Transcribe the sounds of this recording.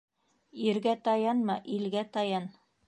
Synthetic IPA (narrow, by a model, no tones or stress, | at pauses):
iɾɡæt̪ɑjɑnmɑʔilɡæt̪ɑjɑn